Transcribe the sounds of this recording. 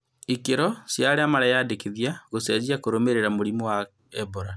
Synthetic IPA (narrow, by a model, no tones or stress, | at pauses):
ikeɾɔsjaɾeamaɾajadekeðiaɣosad͡ʑiakoɾomeɾeɾamoɾimɔwa | ɛboɾa